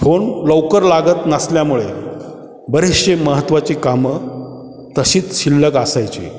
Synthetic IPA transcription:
fʰoɳləwkəɾlaɡət̪nasljamuɭe | bəɾiɕeməɦət̪ːʋat͡ɕikamə | t̪əɕiːt͡sɕilːəɡəsajt͡ɕḭː

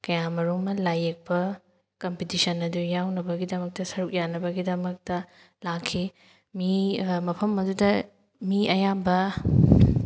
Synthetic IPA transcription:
kɐjamɐɾomːɐlajek̚pɐ | kompitisɐnɐdujawnɐbɐɡidɐmɐk̚tɐsɐɾuk̚janɐbɐɡidɐmɐk̚tɐ | lakʰːi | mimɐpʰɐmɐdudɐ | miʔɐjambɐ

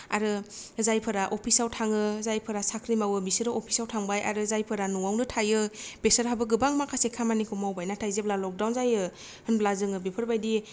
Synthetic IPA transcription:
a̰ɾɯzajpʰɯɾaʔopʰisawtʰaŋɯzajpʰɯɾasakʰɾimawɯbisɯɾɯʔopʰi̥sawtʰaŋbajʔaɾɯzajpʰɯɾanuŋawnɯtʰajɯb̥esəɾɦabɯɡɯbaŋmakʰasekʰamanikʰɯmawbajnatʰajzeplalɔk̚dawnzajɯ | hɯnblazɯŋɯbipʰɯɾbajdi

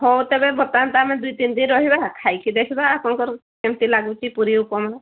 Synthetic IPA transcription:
hɔwt̪ebebɔt̪ant̪amɛ̃d̪ujt̪ind̪inɾɔɦibakʰajkʰid̪ekʰibaːpɔnɔŋkɔɾkemt̪ilaɡut͡ʃipuɾiukɔma

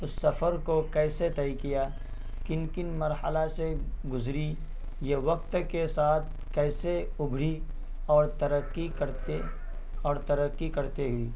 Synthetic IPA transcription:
ʊsːɐfʰəɾkokɛːset̪ɐikija | kɪnkɪnmɐɾɦəlaseɡʊzɾi | jeʋɐk̚t̪kesaːt̪̚ʰ | kɛːseʊbʱɾi | ɔːɾt̪ɐɾəqːikɐɾt̪e | ɔːɾt̪ɐɾəqːikɐɾt̪eɦʊiː

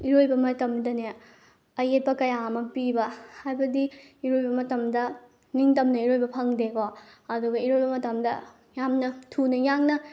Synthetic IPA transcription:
iɾojbɐmɐtɐmdɐne | ɐjet̚pɐkɐjamɐpibɐhajbɐdiiɾojbɐmɐtɐmdɐ | niŋtɐmnɐiɾojbɐpʰɐŋdekoɐduɡɐiɾojbɐmɐtɐmdɐ̰ | jamnɐtʰunɐjaŋnɐ

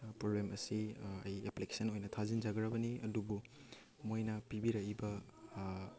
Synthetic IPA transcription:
pɾoblemɐsiɐjeplike̥sɐnojnɐtʰazind͡ʒaɡɾɐbɐniɐdubu | mojnɐpibiɾɐibɐ

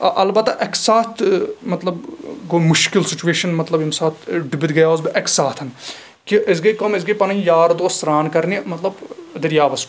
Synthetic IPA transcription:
ʔɐlbɐt̪ːaʔɐksaːt̪ʰmɐt̪lɐbɡomʊʃkɪlsɪt͡ʃueːʃɐnmɐt̪lɐbjimsaːt̪ʰɖɪbid̪ɡɐjaoːzbiʔɐksaːt̪ʰɐn | kiʔɪzɡɐikɐmɪsɡɐipɐnɐĩjaːɾd̪oːsɾaːnkɐɾnimɐt̪lɐbd̪ɐɾjaːʋɐs

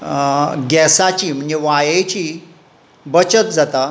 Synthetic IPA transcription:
ɡɛsat͡ɕiːm̤əɳd͡ʑeʋajet͡ɕi | bət͡ɕət̪̚d͡zat̪a

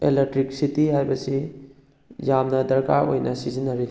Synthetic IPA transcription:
elek̚tɾik̚sitiɦajbɐsi | jamnɐdɐɾkaɾo̰jnɐsizinːɐɾi

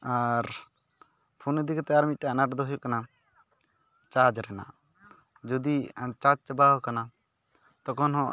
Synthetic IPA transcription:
aɾ | pʰuned̪ikt̪ɛaɾmit̪̚ʈɛanaʈd̪ɔɦujɔkana | t͡ʃad͡ʒɾɛna̰ʔ | d͡ʒɔd̪it͡ʃad͡ʒt͡ʃabaɦkana | t̪ɔkɔnɦɔ̃

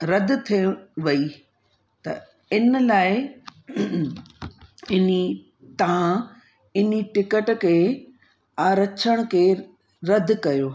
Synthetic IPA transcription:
ɾɐd̪̆ʱt̪ʰiʋɐi | t̪ɐ̰ | ɪnlaːɪ | ɪni | t̪ɐʋ̤ã | ɪniʈɪkəʈkʰeː | aːɾɐt͡ɕʰəɽ̃kʰeː | ɾɐd̪ʱkɐjoː

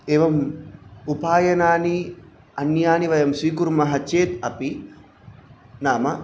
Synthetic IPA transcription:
eːʋɐm | upaːjɐnaːni | ɐnjaːniʋɐjɐmsiːk̬uɾmɐɦɐt͡ʃeːt̪ɐpi | naːmɐ

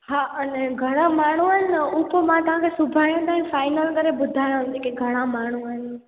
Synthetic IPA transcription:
ɦaːʔɐnɛɡʱɐɽ̃amaːɳ̤uəɪnɪupomãt̪ɐʋ̤ãkʰesʊbʱaːjõt̪ãɦĩfaːɪnəlkɐɾebʊd̪ʱaːjãɦnd͡ʑeːkeɡʱɐɽ̃amaːɳ̤uəɪnɪ̆

